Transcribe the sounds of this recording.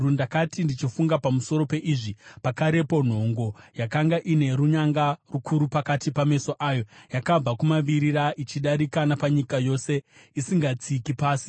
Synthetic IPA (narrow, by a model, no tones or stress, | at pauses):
rundakatindit͡ʃifuŋɡapamuso̞ɾo̞pe̞ʔiʐipakaɾe̞po̞n̤o̞ŋɡo̞jakaŋɡaʔine̞ɾuɲaŋɡarukʰuɾupakatipame̞so̞ʔaːjo̞jakab͡vakumaʋiɾiɾaʔit͡ʃiɗaɾikanapaɲikajo̞ːse̞ | isiŋɡat͡sikipaːsi̥